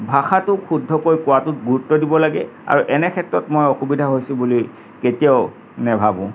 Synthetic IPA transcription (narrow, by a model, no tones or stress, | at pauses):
bʱaxatʊkʰudʱːɔkojkʊwatʊtɡuɹutːɔdibɔlaɡɛ̰a̰ɹuʔɛnɛkʰɛtːɹɔtmojɔxubidʱaɦojsʊ̃bulij | ketiaʊ | nɛbʱabʊ̰̃